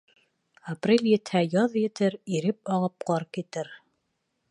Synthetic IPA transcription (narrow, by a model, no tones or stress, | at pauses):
aprʲelʲjɘ̆t̪hæjɑðjɘ̆t̪ɘɾiɾɘp̚ɑlˠɤp̚qɑɾkit̪ɘɾ